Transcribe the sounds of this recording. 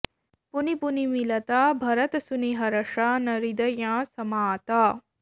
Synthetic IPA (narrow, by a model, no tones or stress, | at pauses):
punipunimilɐt̪aːbʱɐɾɐt̪suniɦɐɾɐʂaːnɐɾid̪ɐjãːsɐmaːt̪aː